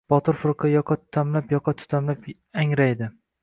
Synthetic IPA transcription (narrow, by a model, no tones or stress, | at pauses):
b̥ɒt̪ʰɪɾfʊɾqʰɑjɒqʰɑt̪ʰʊ̥t̪ʰamlapjɒqʰɑt̪ʰʊ̥t̪ʰamlap | aŋɾajd̪ɪ